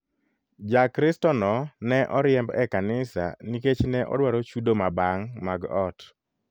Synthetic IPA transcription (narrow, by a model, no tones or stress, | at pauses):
d͡ʒakɾɪstɔnɔnɛʔɔɾjɛmbɛkanɪsa̰niket͡ʃnɛʔɔ̰dwaɾot͡ʃudomabaŋmaɡɔt